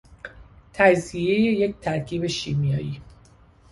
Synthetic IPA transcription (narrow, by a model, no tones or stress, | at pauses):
t̪ʰæziejeje̞ct̪ʰæɾkʰiːbe̞ʃiːmijɒːjiː